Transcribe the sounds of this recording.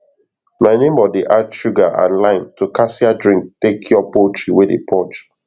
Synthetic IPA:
maɪnẽmɔdeʔaʃuɡaʔã̰nlãɪ̃ntukasiadɹĩŋk̚tekʰjɔpot͡ʃiwedḛpʰɔt͡ʃ

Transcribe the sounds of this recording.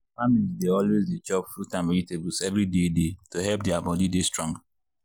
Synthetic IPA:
familzdeɔlwezdet͡ʃɔpfutãnmɛlitebusɛvɾidedetoɦɛp̚diabɔdidestɹɔ̃ŋɡ

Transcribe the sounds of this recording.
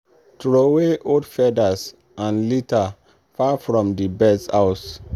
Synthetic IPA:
tɹoweʔodfɛdas | ãnlita | fafɹɔ̃mdibɛdsaʊs

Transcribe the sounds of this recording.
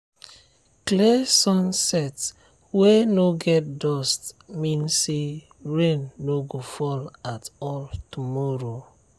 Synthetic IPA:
klesɔ̃nsɛt | wenoɡɛt̚dɔstmĩnse | ɹẽnːoɡofɔlatɔltumɔɹo

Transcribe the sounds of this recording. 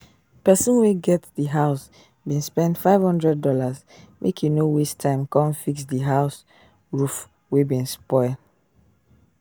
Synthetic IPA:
pɛsɔ̃nweɡɛtdiɦaʊs | bĩnspɛ̃ndfaɪv̥hɔ̃ndɹɛd̚dɔlaz | mʔekʰjunowistʰãɪ̃mkɔ̃nfiksdiɦaʊs | ɹuf | webĩnspɔɪld

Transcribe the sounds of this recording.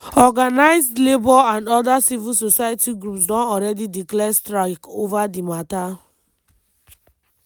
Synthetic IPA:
ɔɡanaɪzdlebɔãndɔdasivisosajatiɡɾupsdɔ̃nɔɾɛdidiklɛstɾaɪkovadimata

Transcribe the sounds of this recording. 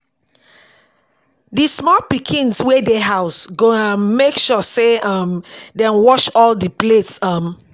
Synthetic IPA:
dismɔlpikʰĩnswedeɦaʊsɡoãmːekʃɔseʌmdɛ̃nwɔʃɔldəpletsʌ̃m

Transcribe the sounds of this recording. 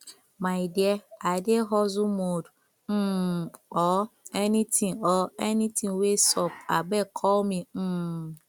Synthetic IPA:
maɪdieadeɦɔzʊmod | n̩ | ɔenitʰĩŋɔenitĩŋwesɔp̚aɡ͡bekʰɔlmin̩

